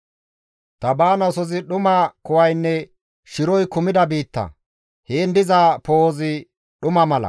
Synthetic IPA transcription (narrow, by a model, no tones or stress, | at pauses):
t̪ɐbaːnɐsɔzɪɗʊmɐkʊwɐjnːɛ | ʃɪɾɔjkʊmɪd̪ɐbiːt̪ːɐ̰ | heːnd̪ɪzapoːzɪ | ɗʊmɐmɐlɐ̰